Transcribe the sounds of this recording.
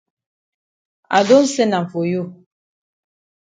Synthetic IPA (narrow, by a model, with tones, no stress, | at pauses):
a̰˨do˦n̩˦sɛ˦na˨ɱ̩˨fo˨jo˦˨